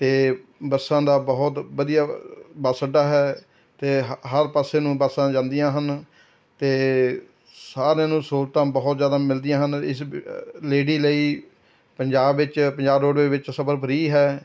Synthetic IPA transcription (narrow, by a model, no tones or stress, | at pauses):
t̪eːbəsãːd̪aːbɦʊt̪bəd̪ijaːbasəɖaːɦɛː | t̪eːɦɦəɾpəseːnũːbəsãːd͡ʒãːnd̪ijãːɦən | t̪eː | saːɾãːnũːsoːlt̪ãːbɔʊt̪zjaːd̪aːmɪld̪ɪjãːɦənɪ̰sleːɽiːləiː | pəɲd͡ʒaːbɪt͡ʃpəɲd͡ʒaːbɾoːɖʋeːʋɪt͡ʃsəpəɾpəɾiːɦɛː